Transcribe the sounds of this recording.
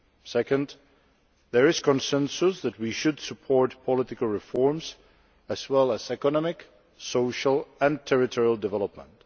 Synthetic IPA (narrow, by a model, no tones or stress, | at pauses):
sɛkə̃nd | ðəɹɪz̥kɔ̃nsɛ̃nsʊsðæt̚wiʃʊdsəpʰɔɹtpʰɔlɪtɪkəl̩ˠɹɪfɔɹms | æzwɛlˠəzɛkɔnɔmɪk | soʊʃəlˠæ̃ntʰɛɹɪtʰɔɹiəlˠdɨvɛləp̚mə̰̃nt